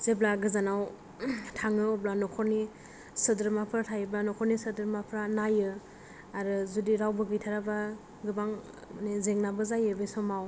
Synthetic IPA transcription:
zeblaɡɯzanaw | tʰaŋɯɔblanɔkʰɔɾni | sɯdɯɾmapʰɾatʰajɯblanɔkʰɔɾnisɯdɯɾmapʰɾanajɯ | aɾɯzudiɾawbɯɡɯjtʰaɾaba | ɡɯbaŋ | nizeŋnabɯzajɯbɯjsɔmaw

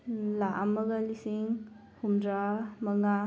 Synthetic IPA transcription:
laʔamːɐɡalisiŋ | humdɾamɐŋa

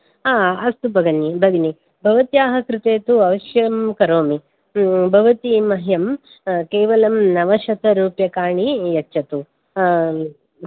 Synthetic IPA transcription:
aːɐst̪ubʱɐɡɐnːibʱɐɡ̪ini | bʱɐʋɐt̪jaːɦɐkɾɪt̪eːt̪uɐʋɐʃjɐmkɐɾoːmi | bʱɐʋɐt̪imɐɦjɐm | keːʋɐlɐmnɐʋɐʃɐt̪ɐɾuːpjɐkaːɳijɐt͡ʃːt͡ʃːɐt̪u

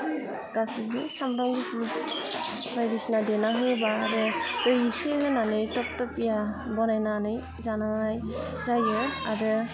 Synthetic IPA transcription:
ɡ̥asiɡɯsamɾaŋɡiput | ɾajdisnadenaɦɯjbaːɾɯtɯjiseɡɯnanɯjtɔk̚tɔpijabɔnajnanɯj | zanaaj | zajɔaɾɯ

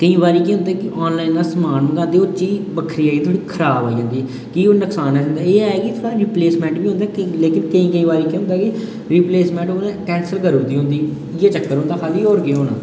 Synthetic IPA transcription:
kəĩːbaːɾiːkiːɦʊ̃nd̪ɛːkɪʔɔːnlaːinaːsəmaːnmɡãːnd̪eːoːt͡ʃiːbəkʰɾiːaːiːt̪ʰoːɽiːkʰəɾaːboːid͡ʒãːnd̪iːɛ | kiːoːnəksaːnɛ̃ːnd̪aːeːaːeːɡit̪ʰoːɽaːɾɪpleːsmɛ̃ːɳʈbiːʊ̃nd̪aːleːkɪnkəĩːkəĩːʋaːɾiːkiɦʊ̃nd̪aːki | ɾipleːsmɛ̃ːɳʈoːnɛ̃ːkɛ̃ːnsəlkəɾõːd̪iːɦõːnd̪iː | ɪaːt͡ʃəkːəɾɦõnd̪aːkʰaːliːoːɾkeoːna̰ː

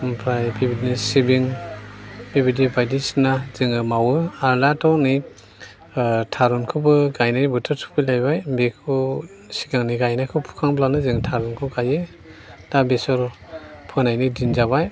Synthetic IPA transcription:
pʰɾajbibidnisibiŋ | bibidibajdisnazɯŋɯmawɯaɾlatɔni | tʰaɾɔnkʰɯbɯɡajnajbɯtʰɔtʰu̥pʰɯlajbajbekʰu | si̥ɡaŋniɡajnakʰɯwpʰu̥kʰaŋblanɯzɯŋtʰaɾɔnkʰɯɡaje | d̥abesɔɾpʰɯnajnidinzaβaj

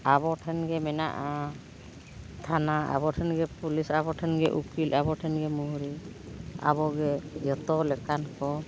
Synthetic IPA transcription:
abɔʈʰɛnɡɛmɛna̰ʔa | t̪ʰanaa̰bɔʈʰɛnɡɛpulisabɔʈʰɛnɡɛʔukilʔabɔʈʰɛnɡɛmuɦuɾi | a̰bɔɡɛjɔt̪ɔlɛkankɔ

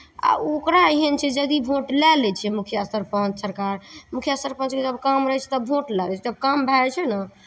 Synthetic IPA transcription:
a̰okɾaɦent͡ʃʰɛd͡ʒəd̪ibʱoʈlɛlɛt͡ʃʰɛmukʰjast̪əɾpə̃t͡ʃsəɾkaɾmukʰjast̪əɾpə̃nt͡ʃked͡ʒəbkamɾəɦɛt͡ʃʰɛ̥t̪ɔbʱoʈlɛlɛt͡ʃʰɛt̪əb̚kambʱɛɾt͡ʃʰɛnə

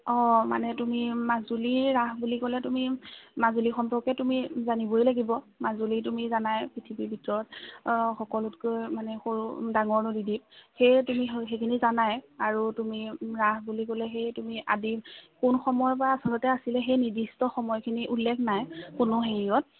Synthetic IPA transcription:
ɔma̰nɛtumimazuliɹaɦbulikɔlɛtumimazulixɔmpɔkɛtumizanibɔjlaɡibɔ | mazulit̬umizanajpɹitʰibibʱitɔɹɔtxɔkɔlutkojmanɛxoɹudaŋɔɹnʊdidip̚xejtumixekʰinizanajaɹutumiɹaɦbulikɔlɛxejtumiʔadikunxɔmɔjpɔɹaːsɔlɔtɛasilɛxejniɹdistɔxɔmɔjkʰiniʔulːɛkʰnajkʊnʊxeɹiɔt̚

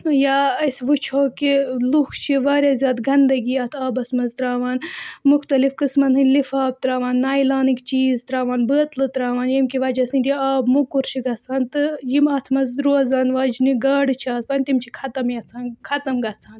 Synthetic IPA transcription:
jaːɐsʋut͡ʃʰoːkilukʰt͡ʃʰiʋaːɾʲjaːzʲjaːd̪ɡɐnd̪ɐɡiɐt̪ʰaːbɐsmɐzt̪ɾaːʋaːnmuxt̪ɐlifkɨsmɐnɦɨlifaːb̚t̪ɾaːʋaːnːaːjlaːnikt͡ʃiːzt̪ɾaːʋaːnbəːt̪lɨt̪ɾaːʋaːnjimkiʋɐːd͡ʒɐsinʲt̪iaːbmukuɾt͡ʃʰiɡɐt͡sʰaːnt̪ɨjimɐt̪ʰmɐzɾoːzaːnʋad͡ʒniɡɐːɽt͡ʃʰiaːzaːnʲt̪imt͡ʃʰikʰɐt̪ɐmjɐt͡sʰaːnkʰɐt̪ɐmɡɐt͡sʰaːn

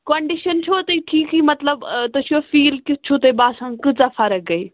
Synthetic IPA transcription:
kɐ̃ɳɖɪʃənt͡ʃʰot̪iʈʰiːkɦiːmɐt̪ləbt̪ɐt͡ʃʰofiːlkɪt͡ʃʰot̪ebaːsãːkɨt͡safʰɐɾək̚ɡɐiː

